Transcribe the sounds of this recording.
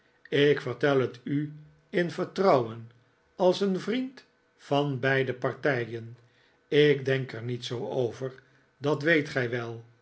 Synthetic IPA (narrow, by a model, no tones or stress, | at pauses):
ɪkfəʁtɛlˠəty | ɪnvəɹtrɑwən | ɑlˠsənvrint | fɑnbɛjdəpɑɹtɛjən | ɪkdɛŋkəɹnitsowowvəɹ | dɑtʋejtχɛjʋɛlˠ